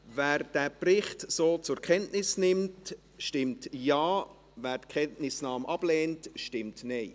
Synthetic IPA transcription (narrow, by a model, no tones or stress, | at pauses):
væːɾd̥æːprɪχtsoːt͡sʊɾkʰɛntnɪsnɪmt | ʃtɪmtjɑː | væːɾtkʰɛntnɪsnɑːmʔɑb̥leːntʃtɪmtneɪ